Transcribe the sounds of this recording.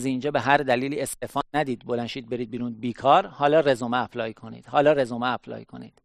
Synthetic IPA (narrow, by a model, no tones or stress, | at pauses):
zind͡ʒɒːbeɦæɾd̪æliːliːest̪efɒːnnæd̪iːd̪bo̞lænʃiːd̪̚be̞ɾid̪̚biːɾunbiːkʰɒːɾhɒːlɒːre̞zomeæpʰlɒːjikʰo̞nḭːd̪̥hɒːlɒːɾe̞zomeæpʰlɒ̰ːjikʰo̞̰nḭːd̪̥